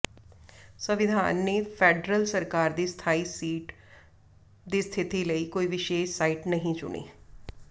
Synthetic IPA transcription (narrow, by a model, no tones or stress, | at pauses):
səʋɪd̪ʱa̰ːnːeːpʰɛːɖɾəlsəɾkaːɾd̪iːst̪ʰaːiːsiːʈ | d̪iːst̪ʰɪt̪iːləiːkoːiːʋɪʃeːʃsaːiːʈnəɦĩt͡ʃʊ̰ɳḭː